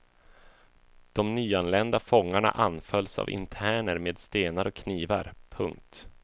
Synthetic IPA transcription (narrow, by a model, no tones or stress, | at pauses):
d̪̥ɔmnyːanlɛnd̪afɔŋːaɳa̰ʔanfœlsa̰vɪ̰nt̪ʰæːɳəɾmeːd̪st̪eːnaɾɔkʰːniːvaɾpʰɵŋk̚t̪